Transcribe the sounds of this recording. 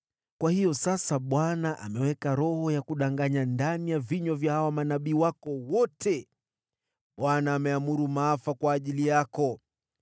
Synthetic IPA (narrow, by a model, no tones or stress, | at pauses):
kwahijɔsasaɓwanaʔamɛwɛkaɾɔhɔjakuɗaŋɡaɲandanijaviɲwavjahawamanaɓiːwakɔwɔtʰɛ | ɓwanaːmɛamuɾumaːfakwaːʄilijakɔ